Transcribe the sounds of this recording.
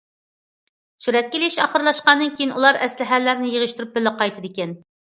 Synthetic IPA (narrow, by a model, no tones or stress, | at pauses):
suɾɛt̪̚kʲelɪʃɑ̰χəɾlˠɑʃqɑnːɨnkʲʰejinulˠɑɾɛslɪɦælːæɾnɪjəʁəʃt̪uɾup̚bɪlːəqɑjt̪ʰɨd̪ɪkʲɛn